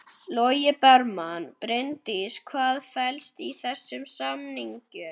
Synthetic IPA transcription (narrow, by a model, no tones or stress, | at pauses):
lɔːjɪpɛɾmanpɾent̪ɪskʰvaːðfɛlst̪iθɛsːʏmsamniɲcʏ